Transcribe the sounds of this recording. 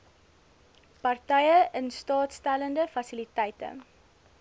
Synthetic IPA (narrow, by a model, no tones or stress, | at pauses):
pɐrtɛjəʔənstɑːtstæləndəfɐsilitɛjtə̰